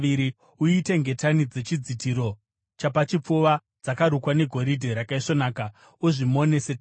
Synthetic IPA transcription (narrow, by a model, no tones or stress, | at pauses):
iɾi | uite̞ŋɡe̞tanid͡ze̞t͡ʃid͡zitiɾo̞ | t͡ʃapat͡ʃip͡fuʋa | d͡zakaɾukwane̞ɡʱo̞ɾidʱeɾakaiʂo̞naːka | uʐimo̞ne̞set